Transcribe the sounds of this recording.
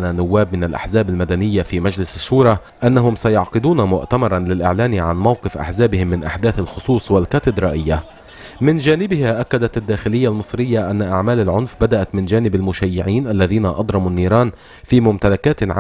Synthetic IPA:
nanːʊwːaːbmɪnalʔa̰ħzaːbalmad̪anɪjːafiːmad͡ʒlɪsaʃːuːɾˤɑ | ʔanːaɦʊmsajʊʕqɨd̪uːnamʊʔt̪amɑɾˤɑnlɪlʔɪʕlaːnʕanmawqɨfʔa̰ħzaːbɪhɪmːɪnʔa̰ħd̪aːθalxʊsˤuːsˤwalkaːt̪ɪd̪ɾˤɑʔɪjːa | mɪnd͡ʒaːnɪbɪhaʔakːad̪at̪ad̪ːaːxɪlɪjːalmɨsˤɾɪjːaʔanːaʔaʕmaːlalʕʊnfbad̪aʔat̪mɪnd͡ʒaːnɪbalmʊʃaːjːɪʕiːnʔalːaðiːnaʔɑd̪ˤɾˤɑmunːiːɾˤɑːn | fiːmʊmt̪alakaːt̪ʕ

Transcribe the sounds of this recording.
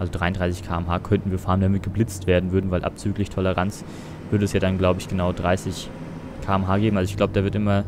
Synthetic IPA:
ʔalzodʁaɪʊndʁaɪsɪçkʰaːɛmɦaːkʰœntn̩viːɐfaɐmndamɪt̚ɡ̥əblɪt͡stv̥eːɐdn̩vʏɐdn̩vaɪlʔa̰p̚t͡syːklɪçtʰɔləʁant͡s | v̥ʏɐɾəɛsjaːdanɡlaʊbəɪçɡ̥ənaʊdʁaɪsɪç | kʰaːɛmɦaːɡeːbm̩alzoɪçɡ̥laʊbəd̥aːvɪɐtʔɪmɐ

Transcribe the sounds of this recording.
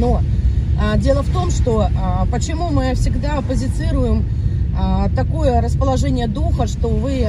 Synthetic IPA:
no | dʲe̞lˠəft̪o̞mʂt̪o̞pət͡ɕɪmumɨfsʲɪɡd̪aɐpəzʲɪt̪sɨɾʊjɪm | t̪ɐko̞jəɾəspəlˠɐʐɛnʲɪjəd̪uxəʂt̪o̞vɨ

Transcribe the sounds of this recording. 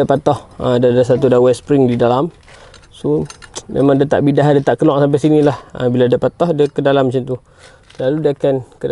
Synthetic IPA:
apat̪ɔhədadasat̪udawɛspɾɪŋdidalam | somʔḛmãŋdət̪a̰ʔbidaɦdət̪aʔkəlɔʔsamp̬ɛsinilahə̰biladapat̪ɔhdakədalamːat͡ʃant̪u | laludakankə

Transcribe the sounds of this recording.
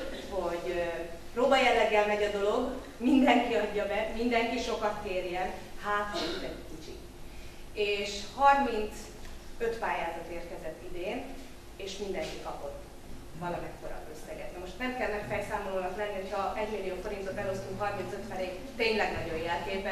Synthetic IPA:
ho̞ɟ | proːbɒjɛlːɛɡːɛlmɛɟɒd̪o̞lo̞ɡ | mind̪ɛŋkiɒɟːɒbɛmind̪ɛŋkiʃo̞kɒt̪keːrjɛnhaːtit̪ɛkit͡ʃḭ | eːʃhɒrmint̪s | øt̪paːjaːzɒt̪eːrkɛzɛt̪ːid̪eːn | eːʃmind̪ɛŋkikɒpo̞t̪ | vɒlɒmɛkkoɾɒ̰øsɛɡɛ̰t̪nɛmo̞ʃt̪nɛmkɛlːnɛfɛlsaːmoloːnɒklɛnːiho̞chɒʔɛɟmilːijoːfo̞ɾint̪o̞t̪ɛlo̞st̪uŋkɦɒrmint̪søt̪ʋɛneːk | t̪eːɲlɛɡnɒɟo̞jjɛlkeːpɛ

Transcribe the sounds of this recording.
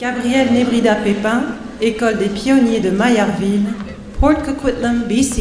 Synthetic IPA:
ɡ̥abʁiɛlnebʁid̪apepɛ̃ | ekɔld̪epjɔnjed̪əmajaʁvil | pχɔt̪kkut̪nambisi

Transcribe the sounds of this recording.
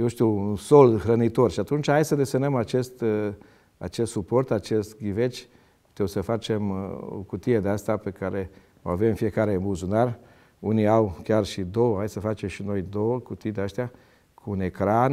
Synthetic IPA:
jewʃt̪iuunsolxɾənit̪o̞rʃiat̪unt͡ʃhajsəd̪e̞senəmat͡ʃe̞st̪ | a̰t͡ʃest̪supo̞rt̪at͡ʃe̞st̪ɡʲivet͡ʃʲ | t̪ewsəfat͡ʃe̞mo̰kut̪ijed̪east̪ape̞kaɾe̞ | oavemfije̞kaɾe̞mbuzunar | uniawkʲjarʃid̪o̞wəɦajsəfat͡ʃe̞mʃino̞jd̪o̞wəkut̪ijd̪east̪ija | kʰuːnekɾan

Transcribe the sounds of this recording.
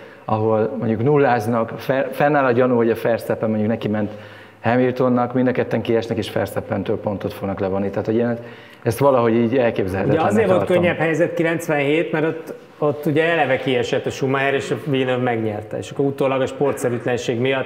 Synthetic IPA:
ɒɦo̞lmo̞ɲɟuknulːaːznɒkfɛfɛnːaːlɒɟɒnuho̞ɟɒfɛrsɛpːɛmoɲɟuknɛkimɛnt̪ | hɛmilt̪o̞nːɒkmind̪ɒkɛt̪ːɛŋkiɛʃnɛkeːʃfɛ̰rsɛpːɛnt̪øːlpo̞nt̪o̞t̪foɡnɒklɛvonːit̪ɛɦːt̪hoɟin | ɛst̪ʋɒlɒɦo̞ɟiːɟɛlkeːbzɛlhɛ̰t̪ɛɛɒzeːɾvolrt̪køɲːɛphɛjzɛt̪kilɛnt̪sʋɛnɦeːt̪mɛɾot̪ː | ot̪ːuɟɛɛlɛvɛkiɛʃɛt̪ːɒʃumɒɦɛɾeːʃɑviːnøvmɛɡɲɛrt̪ɛ̰ḛʃɒkːoɾut̪oːlɒɡɒʃpo̞rt̪sɛɾyt̪lɛnʃeːɡmijɒt̪ː

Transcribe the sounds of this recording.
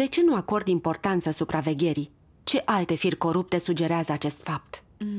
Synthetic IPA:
d̪̥e̞t͡ʃe̞nuako̞rd̪impo̞rt̪ant̪səsupɾʔave̞ɡʲe̞ɾi | t͡ʃe̞ʔalt̪e̞firʲko̞ɾup̚t̪e̞sud͡ʒe̞ɾeazəat͡ʃe̞st̪fap̚t̪

